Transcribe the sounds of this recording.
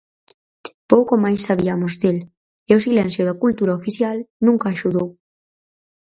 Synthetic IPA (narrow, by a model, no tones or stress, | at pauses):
powkomajsːaβiamozðel | eos̬ilɛnsjoðakult̪uɾaofiθjalnũŋkaːʃuðow